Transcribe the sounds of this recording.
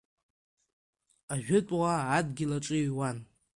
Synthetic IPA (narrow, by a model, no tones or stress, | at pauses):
aʒᶣʊtʼʁaːdɡʲɪlaʈ͡ʂʼɨɥwan